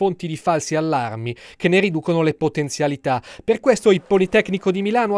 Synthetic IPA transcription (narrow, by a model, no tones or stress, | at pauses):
ont̪id̪ifalsialːarmikenːerid̪uːkonolepot̪ent̪sjalit̪aperkwest̪oilpolit̪ɛkːnikod̪imilaːnoa